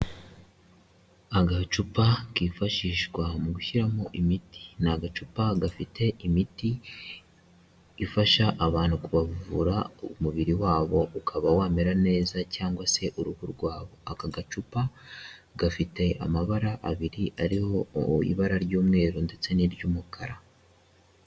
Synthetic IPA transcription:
aɡat͡ʃupakiːfaʃiːʃɡwamuɡuçiɾamoʔimiti̥naɡat͡ʃupaɡafitʰe̞ʔimiti | faʃaʔːβaːn̥hukuβavvuɾaumuβiɾiwaːβo̞ʔukʰaβawaːmeɾane̞ːzacaːŋɡwase̞ʔuɾuhuɾɡwaːβo̞akaɡat͡ʃupaɡafite̞a̰maβaɾaʔːβiɾiʔaɾiho̞ḭβaɾaɾɟuːmŋe̞ːɾonde̞t͡se̞niɾɟuːmukʰaɾa

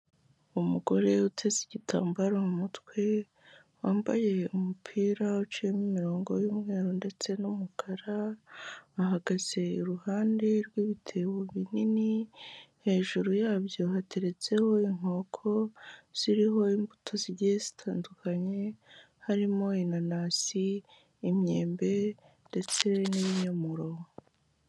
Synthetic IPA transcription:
umuɡo̞ɾe̞utʰe̞ziɟitʰa̰ːmbaɾomumutwe̞ | waːmba̰je̞umupʰiːɾaut͡ʃemimiɾo̞ːŋɡo̞juːmŋe̞ːɾonde̞t͡se̞numukʰaɾaː | ɦaɡaz̥e̞iɾuhaːnde̞ɾɡwiːβitʰe̞woβininihe̞ːʒuɾujaːβjo̞hateɾe̞t͡se̞ho̞iŋ̥o̞ːkʰo̞z̥iɾiɦo̞imbutʰo̞ziɾjezi̥tʰaːndukʰaɲe̞ | haɾimo̞inanaːsiː | mɲeːmbe̞ | nde̞t͡se̞niβiɲamuɾo

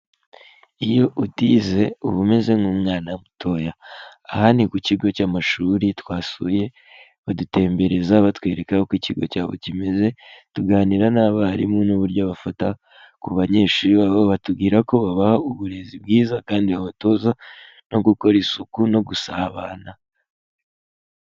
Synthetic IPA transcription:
ijo̞ʔutiːze̞uβume̞ze̞ŋhuːmŋaːnamutʰo̞jaːhanikuciɡo̞caːmaʃuːɾitwaːsuje̞ | βadute̞ːmbe̞ɾe̞zaβatwe̞ɾe̞kahokwiciɡo̞̰caːβo̞̰cime̞ze̞tuɡaːniɾanaβaɾḭmunuβuɾɟoβafata | kuβaɲe̞ːʃuːɾiβaβoβatubɡiːɾako̞βaβahauβuɾe̞zib̚ɡiːzakaːndiaβato̞za | no̞ɡuko̞ɾisukuno̞ɡusaβaːna

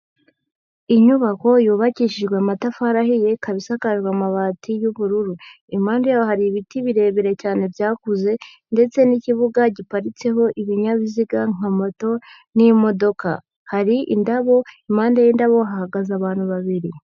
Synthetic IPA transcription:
iɲuβako̞juːβaciʃiʒɡweamatafaɾaɦije̞kaβisakaʒɡwamaβaːtʰijuβuɾuɾu | imaːndajajoɦaɾiːβitiβiɾe̞ːβeɾe̞caːne̞vjaːkuze̞ | nde̞t͡se̞niciβuɡaɟipaɾit͡se̞ɦo̞ʔiβiɲaβiziɡaŋ̥amoto̞ | nimo̞do̞ka̰ | haɾiʔḭndaβo̞imaːndajindaβo̞ɦahaɡazaβaːn̥huβaβiɾi

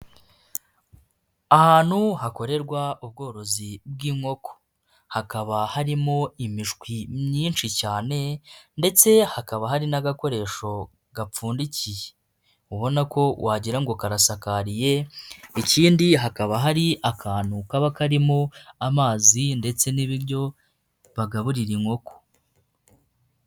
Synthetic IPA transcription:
ahaːn̥huhako̞ɾe̞ɾɡwaub̚ɡo̞ːɾo̞zib̚ɡiːŋo̞ko̥ | hakaβahaɾimo̞imiʃkwimɲiːnʃicaːne̞nde̞t͡se̞hakaβaɦaɾinaɡako̞ɾe̞ːʃo̞ | ɡap͡fuːndicije | uβo̞nako̞wʔaːɟiɾaŋɡo̞kaɾasakaɾije̞iciːndiɦakaβaɦaɾiakʰaːnukaβakaɾimoamaːzinde̞t͡se̞niβiɾɟo̞ | βaɡaβuɾiɾiŋho̞ko̥

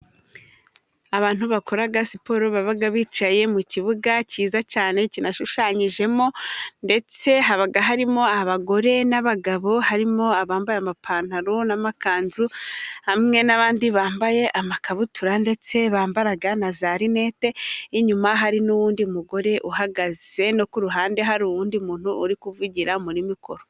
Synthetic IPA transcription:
aβaːn̥huβako̞ɾaɡasipo̞ɾoβaβaɡaβiːt͡ʃaje̞muciβuɡaciːzat͡ʃaːne̞cinaʃuʃaɲiʒe̞mo̞nde̞t͡se̞ɦaβaɡaɦaɾimo̞aβaɡo̞ɾe̞naβaɡaβo̞haɾimo̞aβaːmbajamapʰaːn̥aɾonamakaːnzuhamŋe̞naβaːndiβaːmbaje̞ʔamakaβutuɾande̞t͡se̞βaːmbaɾaɡanazaɾine̞ːte̞iɲumaɦaɾinuwuːndiumuɡo̞ɾe̞ʔuɦaɡaze̞no̞kuɾuɦaːnde̞ɦaɾuwuːndimuːn̥huːɾikuvuɟiɾamuɾimikʰo̞̰ɾo

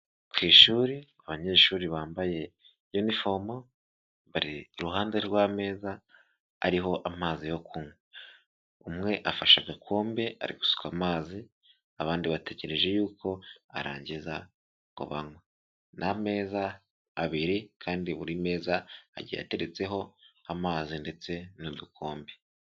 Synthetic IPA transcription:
kwiːʃuːɾiaβaɲe̞ːʃuːɾiβaːmbaje̞ | junifoɾmo | βaɾiːɾuɦaːnze̞ɾwaːme̞ːza̰ː | ɾiɦo̞ʔamaːzijo̞kʰuŋwe | umŋe̞ʔafaʃaɡakʰoːmbe̞a̰ɾḭɡu̥su̥kamaːzi | aβaːndiβate̞ɟe̞ɾe̞ʒe̞juːko̞a̰ɾa̰ːɲɟiza | ŋɡo̰βaŋwa | nʔame̞ːzaː | βiɾikʰaːndiβuɾime̞ːzaa̰ɟḭja̰te̞ɾet͡se̞ɦo̞amaːzinde̞t͡se̞nudukʰo̞ːmbe

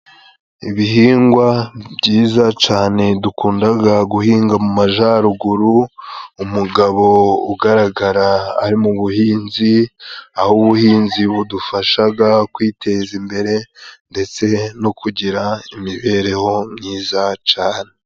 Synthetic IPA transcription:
iβihiːŋɡwabɟiːzat͡ʃaːne̞dukuːndaɡaɡuhiːŋɡamumaʒaːɾuɡuɾuumuɡaβo̞uɡaɾaɡaɾa̰ːɾimuβuhiːnziahuβuhiːnziβudufaʃaɡakwiːtʰe̞zimbe̞ɾe̞nde̞t͡se̞no̞kʰuɟiɾaimiβe̞ːɾe̞ho̞mɲiːzat͡ʃaːne

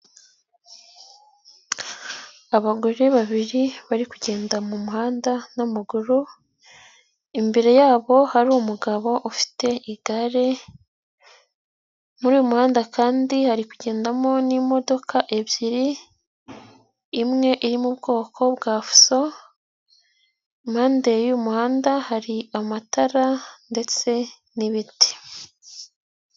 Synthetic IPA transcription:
aβaɡoɾeβaβiɾiβaɾikuɟe̞ːndamumuɦaːndanamuɡuɾu | imbe̞ɾe̞jaːβo̞haɾuumuɡaβo̞ʔufi̥te̞iɡ̥aɾe̞ | muɾiːjomuhaːndakaːndihaɾikuɟe̞ːndamo̞nimo̞do̞kʰaʔe̞bjiɾi | mŋe̞ʔiɾimubɡo̞ːkʰo̞bɡaːfu̥so̞ | imhaːndejumuhaːndahaɾiamataɾande̞t͡se̞ | niβiti̥

